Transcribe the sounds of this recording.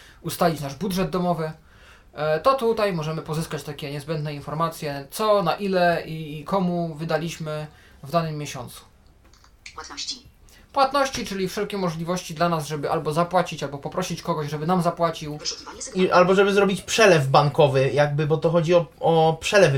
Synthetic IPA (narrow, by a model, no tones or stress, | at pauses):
ust̪alʲit͡ɕnaʐbudʐɛd̪̚d̪ɔmɔvɘ | t̪ɔt̪ut̪ajmɔʐɛmɘpɔzɘskat͡ɕt̪akʲɛɲɛzbɛnd̪nɛinfɔɾmat̪sʲjɛt̪sɔnaʔilɛikʰɔmuvɘd̪alʲiɕmɘ | vd̪anɘmʲːjeɕɔnt̪su̥ | w | pwat̪nɔɕt͡ɕit͡ʂɘlʲifʂɛlkʲɛmɔʐlʲivɔɕt͡ɕid̪lanazʐɛbɘʔalbɔzapwat͡ɕit͡ɕalbɔpɔpɾɔɕit͡ɕkɔɡɔʑʐɛbɘnamzapwat͡ɕiw | ʔalbɔʐɛbɘzɾɔbʲit͡ɕpʂɛlɛvbaŋkɔvɘjaɡ̚bɘbɔt̪ɔxɔd͡ʑiɔɔpʂɛlɛv